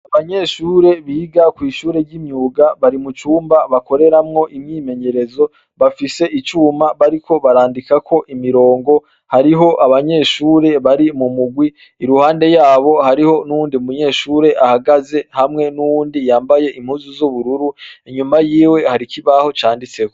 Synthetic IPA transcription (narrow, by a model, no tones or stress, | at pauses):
aβaɲe̞ʃuːɾe̞βiːɡakwiːʃuːɾe̞ɾɟimɲuːɡaβaɾimut͡ʃuːmbaβako̞ɾeɾamŋo̞ʔimɲiːme̞ɲe̞ɾezo̞ | βafise̞ʔit͡ʃuːmaβaɾikʰo̞βaɾaːndikakʰo̞ʔimiɾo̞ːŋɡo̞ | haɾiɦo̞ʔaβaɲe̞ʃuːɾe̞βaɾimumuɡwiː | ɾuhaːnde̞jaːβo̞haɾiho̞nuuːndiumuɲe̞ːʃuːɾe̞ʔahaɡaze̞hamŋe̞nuwuːndijaːmbaje̞ʔimhuːzuzuβuɾuɾuiɲumajiːwe̞haɾikiβaho̞t͡ʃaːndit͡se̞ko